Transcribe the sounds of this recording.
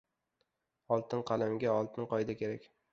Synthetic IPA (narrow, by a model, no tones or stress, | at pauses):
ɒlˠt̪ʰɪnqʰɑlamɡʲaɒlˠt̪ʰɪnqʰɒjd̪akʲʰe̞ɾakʲ